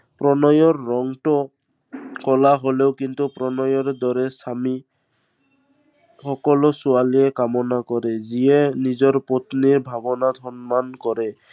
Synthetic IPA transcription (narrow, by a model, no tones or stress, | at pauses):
pɾɔnɔjɔɾːɔŋʈɔ | kɔlaɦoleʊkint̪upɾɔnɔjɔɾd̪ɔɾɛsami | xɔkɔlɔsualiɛkamɔnakɔɾɛziɛnizɔɹpot̪niɹbʱabɔnat̪ʰɔnmankɔɾɛ